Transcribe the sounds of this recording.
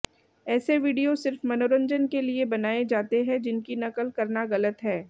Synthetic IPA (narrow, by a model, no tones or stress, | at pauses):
ɛːseʋiːɖijosɪɾfmɐnoːɾə̃ɲd͡ʒənkeliebɐnaːed͡ʒaːt̪eɦɛ̃d͡ʒɪnkinɐkəlkɐɾnaɣɐlət̪ɦɛː